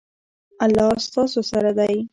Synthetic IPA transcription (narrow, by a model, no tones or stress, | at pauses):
alːɑst̪ɑsosaɾad̪aj